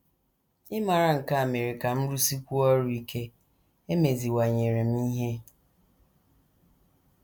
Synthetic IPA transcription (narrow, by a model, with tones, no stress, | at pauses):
ɪ˦ma˨ɾa˨ŋ̩˨ka˦a˨me˨ɾi˨ka˨m̩˦ɾu˦si˦kʷu˦ɔ˦ɾu˦i˦kʰe˦ | e˦me˨zi˨wa˨ɲe˨ɾe˨m̩˦i˦ɦe˦